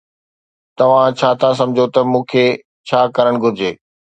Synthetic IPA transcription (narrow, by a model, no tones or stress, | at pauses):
t̪ɐʋ̤ãt͡ɕʰaːt̪ʰas̬ɐ̃md͡ʑʱot̪ɐmũːkʰe | t͡ɕʰaːkɐɾəɽ̃ɡʱʊɾɪd͡ʑeː